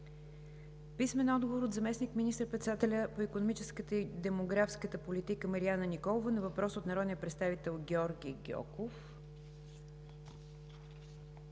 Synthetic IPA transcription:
pismɛnɔd̪̚ɡovoɾod̪zɐmɛsnikminʲist̪ɾpɾɛt̪sd̪at̪ɛlʲəpoikonomit͡ʃɛskət̪əid̪ɛmoɡɾafskət̪əpolit̪ikəməɾianənikɔlˠovənɐvɐpɾɔsot̪nɐɾɔd̪nijəpɾɛt̪st̪avit̪ɛlˠɡʲɛɔɾɡʲiɡʲɔ̰kof

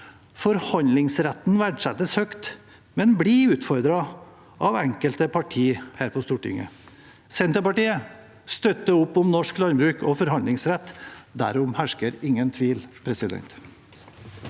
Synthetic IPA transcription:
fɔɾhɑnlɪŋsɾɛt̪n̩ʋæɖʂɛt̪ːəshœkt̪ | mɛnbliːʉːt̪fɔɾd̪ɾɑ | ʔɑʋɛŋkəlt̪əpʰɑʈʰiːhæːɾpʰɔst̪uːʈɪ̰ŋə̰ | sɛnt̪əpɑʈiːə | st̪œt̪ːəʊpːʊmnɔʂklɑnbɾʉːkʰɔfɔɾhɑnd̪lɪŋsɾɛt̪ːd̪æ̰ɾʊmhæʂkəɾɪŋːənt̪ʰʋiːlpʰɾɛsɪd̪ɛ̰nt̪

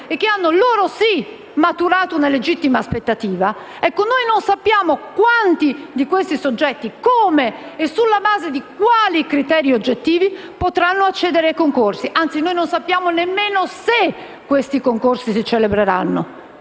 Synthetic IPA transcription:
ek̟ːeanːoloːɾosi | mat̪uɾaːt̪ounaled͡ʒit̪ːimaːspet̪ːat̪iːva | ɛkːonojnonsapːjaːmokwant̪id̪ikwest̪isod͡ʒːɛt̪ːikoːmeːsːulːabaːzed̪ik̚waːlikɾit̪ɛːɾiod͡ʒːet̪ːiːvi | pot̪ɾanːoat͡ʃːɛːd̪eɾeajkoŋkorsiʔant̪sinoːjnonsapːjaːmonemːeːnose | kːwest̪ikoŋkorsisit͡ʃelebɾeɾa̰nːo

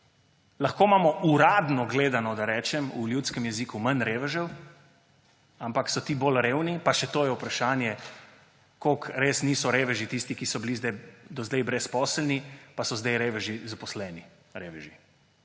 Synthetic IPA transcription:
laxkoːmaːmɔʔuɾaːd̪nɔɡleːd̪anɔd̪aɾɛːt͡ʃɛmuljut̪skɛmjɛziːkumanɾeːʋɛʒɛw | ampaksɔt̪iːbolɾeːwnipaʃɛt̪oːjɛupɾaʃaːnjɛ | kokɾesniːsɔɾeːʋɛʒit̪ist̪ikisɔbilizd̪ajd̪ɔzd̪ajbɾɛspɔːslnipasɔzd̪ajɾeːʋɛʒizapɔslɛːni | ɾeːʋɛʒi

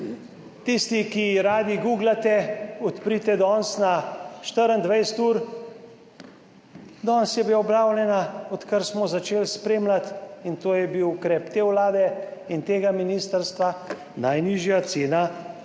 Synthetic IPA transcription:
t̪ist̪ikiɾaːd̪iɡuɡlat̪ɛɔt̪pɾit̪ɛd̪ɔnsnaʃt̪əɾənd̪ʋɛjst̪uːɾ | d̪ɔːnsjɛbiaɔblaːwlʲɛnaɔt̪kəɾsmɔzat͡ʃeːlspɾeːmlat̪int̪oːjɛbiwukɾɛːpt̪eːwlaːd̪ɛint̪eːɡaminist̪əɾst̪ʋa | najniʒjat̪seːna

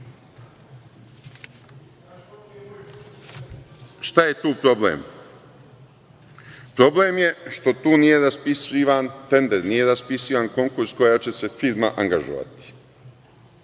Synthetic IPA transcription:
ʃt̪aje̞t̪uːpɾo̞blḛːm | pɾo̞ble̞ːmje̞ʃt̪o̞t̪uːnije̞ɾaspisiʋant̪e̞nd̪eɾnije̞ɾaspisiːʋanko̞ŋkuɾsko̞jaːt͡ɕe̞se̞fiɾmaʔaŋɡaʒo̰ʋa̰t̪i̥

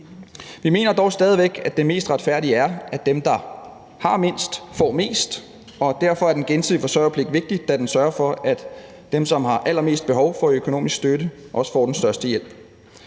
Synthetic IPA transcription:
ʋime̝̰ːnɐd̥ɒʊsd̥ɛːð̞ˠiʋeɡ̥ædd̥e̝me̝̰ːsd̥ʁad̥fæɐ̰d̥iæɐæ̥emd̥ɑ̈ | hɑ̈me̝n̰sd̥fɒ̰ːme̝̰ːsd̥ | ɒ̽d̥æɐfɒ̽æɐd̥enɡ̥ensʰið̰ˠifɒ̽sɒɪɐpʰle̝ɡ̥d̥ʋe̝ɡ̥̚d̥id̥æd̥ensɶɐfɒ̽æd̥ | d̥emsɒ̽mhɑ̈ʔæl̰ɐme̝̰ːsd̥̚b̥e̝ɦɒʊfɒ̽økʰo̝no̝̰ːmisɡ̥sd̥øɾəʔɒ̽sə̥fɒ̰ːd̥ensd̥ɶɐsd̥əjel̰b̥

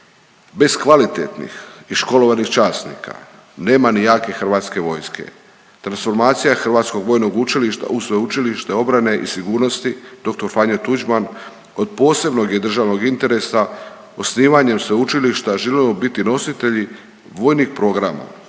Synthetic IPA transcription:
be̞skʋalit̪ḛt̪nḭxiʃko̞lo̞ʋanixt͡ʃaːsnḭːkʰa̰ | ne̞ːmanijaːke̞xr̩ʋaːt̪ske̞ʋo̞ːjskḛ | t̪ɾansfo̞ɾmaːt̪sijaxr̩ʋaːt̪sko̞ɡʋo̞ːjno̞ɡut͡ʃiliʃt̪a̰usʋeut͡ʃiliʃt̪e̞o̞bɾane̞ʔḭsiɡuːɾno̞st̪id̪̥o̞k̚t̪o̞ɾfaɲat̪ud͡ʒman | o̞d̪̚po̞ːse̞bno̞ɡje̞d̪r̩ʒaʋno̞ɡint̪e̞ɾe̞sa | o̞sniːʋaɲe̞msʋeut͡ʃiliʃt̪aʒelimobit̪ino̞sit̪eʎi | ʋo̞ːjnixpɾo̞ːɡɾama̰

